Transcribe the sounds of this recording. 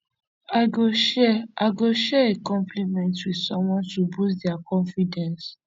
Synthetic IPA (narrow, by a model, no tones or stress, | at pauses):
aɪɡoʃɛʔaɪɡoʃɛekɔ̃mplimɛ̃ntwið̥sɔ̃mwɔ̃ntubusdiakɔ̃nfidɛ̃ns